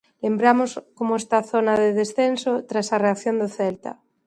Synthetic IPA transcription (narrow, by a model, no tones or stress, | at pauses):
lembɾamoskomoest̪aθonaðeðesθensot̪ɾasareakθjond̪oθelt̪a̰